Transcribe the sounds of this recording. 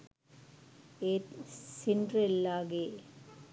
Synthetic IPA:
esɪndrɛlːaːɣeː

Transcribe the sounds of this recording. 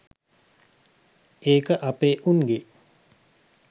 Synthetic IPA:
eːkəʔapeːʔunɡe

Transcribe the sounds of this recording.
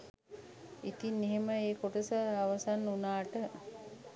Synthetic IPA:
it̪inːeɦeməeːkoʈəsaaʋəsanːunaːʈə

